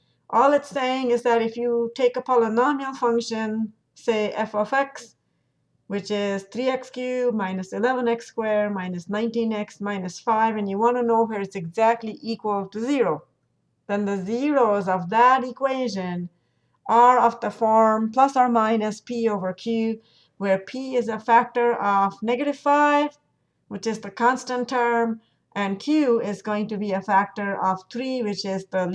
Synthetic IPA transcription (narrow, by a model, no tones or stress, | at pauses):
ʔɔlˠɨtseɪɪ̃ŋɨzðɨɾɨfjɨtʰeɪkəpʰɑlˠənɑmil̩ˠfʌ̃ŋkʃɨ̃n | seɪʔɛfofɛks | wɨt͡ʃɪz̥θɹiɛkskʰjʉmãɪ̃nɨsɨlɛvə̃nɛkskwɛɹmãɪ̃nɨsnãɪ̃ntĩnɪksmãɪ̃nɨsfaɪvɨ̃njɨwɑ̃nɨnoʊwəɹɨzɨɡzæk̚tˡliʔikwəlˠtʰɨziɹoʊ | ðɨ̃nðɨziɹoʊzʌvðəɾikʰweɪʒɨ̃n | ʔə˞ʌvðəfɔɹmpʰlʌsə˞mãɪ̃nɨspioʊvə˞kʰj̥ʉ | wə˞pʰiɪzəfæk̚tə˞ʔʌvnɛɡɨɾɨv̥faɪv | wɨt͡ʃɨzðɨkʰɑ̃nstə̃ntʰːɜ˞m | ʔɨ̃nkʰj̥ʉɪzɡoʊɪ̃ŋtɨbiɨfæk̚tə˞ʔʌv̥θɹiwɪt͡ʃɪzðə